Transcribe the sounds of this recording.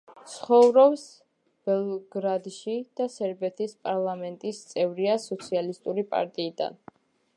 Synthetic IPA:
t̪sʰχɔvɾɔps | b̥ɛlˠɡɾad̪ʃid̪̥asɛɾbɛt̪ʰispʼaɾlˠamɛnt̪ʼist̪sʼɛvɾiasɔt̪sʰialist̪ʼuɾipʼa̰ɾt̪ʼiːd̪a̰n

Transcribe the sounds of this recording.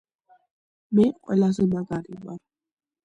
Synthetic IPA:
mɛqʼwɛlazɛmaɡaɾiva̰ɾ

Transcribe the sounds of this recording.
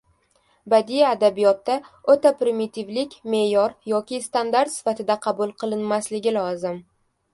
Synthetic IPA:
bad̪ijaːd̪abijɒt̪ːaot̪apɾɪmit̪ʰɪvlɪkʲme̞jɒɾjɒkʲʰɪst̪and̪aɾt̪sɪ̥fat̪ɪd̪aqʰɑbulˠqʰɨlˠɪnmaslɪɡʲɪlˠɒzɪm

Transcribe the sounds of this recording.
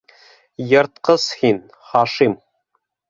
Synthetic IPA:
jɤ̆ɾt̪qɤz̥hin | χɑʃim

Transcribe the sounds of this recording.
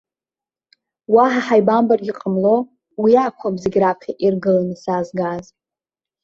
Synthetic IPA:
waħaħajbambarɡʲiqʼəmlo̞ | wiakʷʰabzeɡʲrapʰχʲaʔirɡɨlanɨsazɡaz

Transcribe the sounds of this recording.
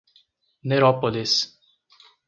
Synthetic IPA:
neɾɔpolis

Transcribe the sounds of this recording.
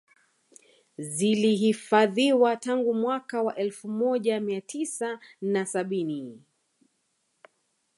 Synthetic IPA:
ziliɦifaðiwataŋɡumwakawaʔɛlfumɔʄamiatʰisanasaɓini

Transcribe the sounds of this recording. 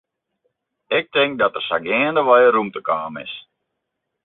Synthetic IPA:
ɪk̚tɪŋk̚dɔtərsaɡɛːəndəʋɔjərumtəkaːmɪ̰s

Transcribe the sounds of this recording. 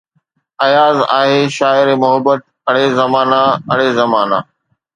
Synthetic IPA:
ɐjaːza̰ːɦeːʃaːɪɾemʊɦəbːət̪̚ɐɽ̤ezɐmaːnaɐɽ̤ezɐmaːna̰ː

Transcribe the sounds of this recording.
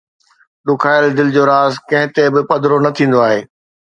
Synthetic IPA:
ɗʊkʰaːɪld̪ɪlɪd͡ʑoːɾaːzkɐ̃ɦɪ̃t̪ebɪpɐd̪ɾonɐt̪ʰĩːn̆d̪oaːɦeː

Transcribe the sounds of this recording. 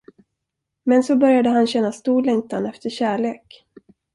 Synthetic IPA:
mɛnsɔbœɾjad̪əɦanɕɛnːast̪uːɭɛŋt̪ʰanɛft̪ʰəɕæːɭeːk

